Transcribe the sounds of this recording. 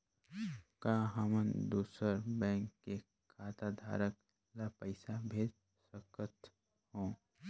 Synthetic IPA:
kaːɦəmənd̪uːsəɾbɛ̃ːŋkːe | kʰaːt̪ad̪ʱa̰ːɾək̚ | lapəɪsabʱeːd̪ | səkət̪ | hõː

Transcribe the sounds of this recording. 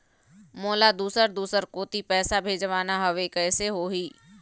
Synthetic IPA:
moːlad̪uːsəɾd̪uːsəɾkoːt̪ipɛːsabʱeːd͡ʒʋaːnaɦɐʋekɛːseɦoɦiː

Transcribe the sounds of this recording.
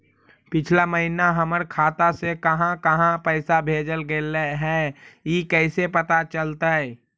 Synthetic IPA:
pɪt͡ʃʰlaməɦinaɦəməɾkʰaːt̪asekəɦãkəɦãpəɪsabʱeːd͡ʒəlɡeləɦɛ̃ːikɛɪsepət̪at͡ʃəlt̪aɛ

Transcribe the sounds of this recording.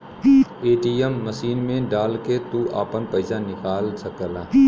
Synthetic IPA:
eːʈiɛmːɐsiːnmẽɖaːlket̪uʔa̰ːpənpɐɪsanɪkaːlsɐkəlaː

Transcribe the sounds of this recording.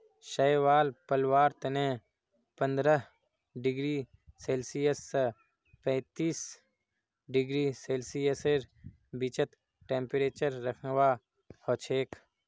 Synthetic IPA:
ʃəjwaːlpəlwaːɾt̪ənẽ | pə̃nd̪ɾəɦ | ɖɪɡɾiː | seːlsijəsː | pɛ̃ːt̪iːs | ɖɪɡɾiːseːlsijəseɾ | bɪt͡ʃət̪ | ʈẽːmpeɾeːt͡ʃəɾːəkʰnwa | hot͡ʃʰeːk

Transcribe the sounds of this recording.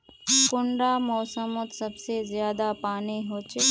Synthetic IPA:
kʊɳɖamɔːsəmot̪sɐbsezjaːd̪apaːniɦoːt͡ʃe

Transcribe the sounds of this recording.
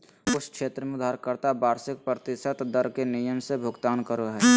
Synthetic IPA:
ʊt͡ʃʰkʃeːt̪ɾəmẽʊd̪aɦɾkəɾt̪abaːɾsɪk̚pɾət̪ɪʃət̪d̪əɾkenijəmsebʱʊɡt̪aːnkəɾoɦɛː

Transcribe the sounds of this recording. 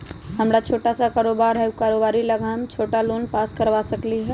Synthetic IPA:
ɦəmɾat͡ʃʰoːʈasakaːɾoːbaɾɦɛkaɾoːbaːɾiləɡamt͡ʃʰoːʈalonpaskəɾʋasəkliɦɛ

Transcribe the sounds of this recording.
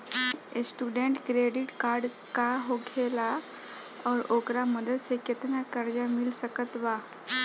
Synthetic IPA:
esʈuɖeɳʈkɾeɖiʈkaɾɖ | kaɦoɡʱela | ɔɾokɾaməd̪ət̪seket̪nakəɾd͡ʑamilsəkət̪ʋa

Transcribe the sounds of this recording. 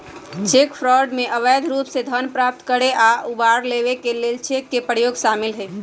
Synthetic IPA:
t͡ʃekpʰɾɔɖmeʔəʋəjd̪ʱɾupsed̪ʱənpɾap̚t̪kəɾeʔaʔubaɾleʋekelelt͡ʃʰekːepəjoɡʃamilɦɛ

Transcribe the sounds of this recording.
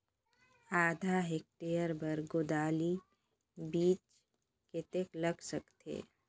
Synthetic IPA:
aːd̪ʱaɦek̚ʈijəɾbəɾɡʊd̪aːli | biːt͡ʃ | kɪt̪ekləɡsəkt̪ḛː

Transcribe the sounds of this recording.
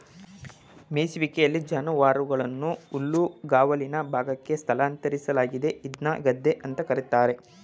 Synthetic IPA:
meːsʋikejɐlːid͡ʒɐnɐʋaːɾuɡɐɭɐnːuulːuɡaːʋɐlinɐbʱaːɡɐkːest̪ʰɐlaːnt̪ɐɾisɐlaːɡid̪e̞id̪naɡɐd̪ʱːe̞ʔɐnt̪ɐkɐɾit̪aːɾe̞

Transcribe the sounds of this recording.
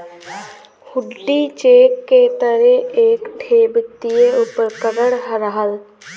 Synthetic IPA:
hʊɖːit͡ʃeːkːet̪əɾeeːkɖʱʰeːbɪt̪ijeupəɾkəɡəɽɦəɾəɦəl

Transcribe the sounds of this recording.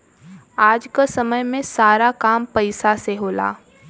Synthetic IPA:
aːd͡ʒkasɐməjmẽsaːɾakaːmpɐɪsaseɦoːla̰ː

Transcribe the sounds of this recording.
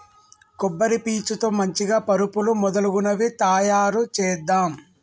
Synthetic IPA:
kubːɐɾipiːt͡ʃut̪oːmɐɲt͡ʃiɡaːpɐɾupulumɔd̪ɐluɡunɐʋit̪aːjaːɾut͡ʃɛːd̪ːaːm

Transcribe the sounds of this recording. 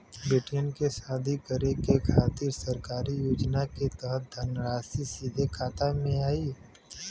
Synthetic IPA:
bɾɪʈjənkesaːd̪ʱikəɾekekʰaːt̪iːɾsɐɾkaːɾijoːd͡ʒnaket̪əɦət̪̚d̪ʱɐnɾaːsisiːd̪ʱekʰaːt̪amẽaːiː

